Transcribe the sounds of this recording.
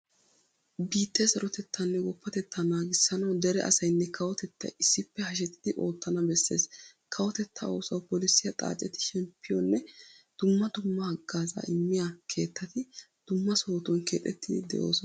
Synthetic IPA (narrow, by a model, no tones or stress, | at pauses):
biːt̪ʰːɛsɐɾɔt̪ɛt̪ʰːɐnːɛɡɔpːɐt̪ɛt̪ːɐnaːɡɪsːɐnɐwd̪ɛɾɛ̰ʔɐ̰sɐjnːɛkʰɐwɔt̪ɛt̪ːɐ̰ʔɪsːɪpːɛhɐʃ̬ɛt̪ːɪd̪ɪʔo̞ːt̪ːɐnɐbɛsːeːs | kʰɐwɔt̪ɛt̪ʰːɐ̰oːsɐwpɔlɪsːɪjɐt̪ʼa̰ːt͡ʃʼɛt̪ɪ̥ʃɛmpʰːɪjɔnːɛ | d̪̥ʊmːɐd̪ʊmːɐhɐɡːaːza̰ːʔɪmːɪjakʰe̞ːt̪ːɐt̪ɪ | d̪̥ʊmːɐso̞ːt̪ɔnkeːt̪ʼɛt̪ːɪd̪ɪd̪ɛ̰ʔo̞̰ːsɔn